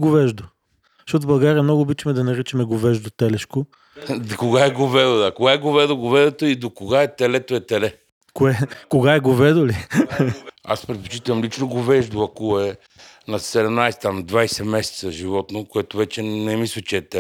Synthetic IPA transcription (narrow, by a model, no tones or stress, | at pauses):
ɡovɛʒd̪o | ʃt̪ɔt̪ʊbɐlˠɡaɾʲiɐmnɔɡʊːbitt͡ʃəmɛd̪ɐnɐɾit͡ʃɛmɛɡovɛʒd̪ot̪ɛlɛʃko | koɡaɛɡovɛd̪od̪akoɡaɛɡovɛd̪oɡovɛd̪ot̪oid̪okoɡaɛt̪ɛlɛt̪oɛt̪ɛlɛ | koɛkoɡaɛɡovɛd̪oli | a̰spɾɛt̪̚po̥t͡ʃit̪əvɐmlit͡ʃnoɡovɛʒd̪oɐkoɛ | nɐsɛd̪ɛmnajsɛ̥t̪amd̪vajsɛmɛsɛ̥t̪səʒivɔt̪nokoɛt̪ʊvɛt͡ʃɛnɛmislʲˠət͡ʃɛːt̪ɛ